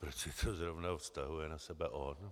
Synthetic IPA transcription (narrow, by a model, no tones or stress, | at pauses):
pɾot͡ʃsɪt̪ʰozɾovnafst̪aɦujɛnasɛbɛʔon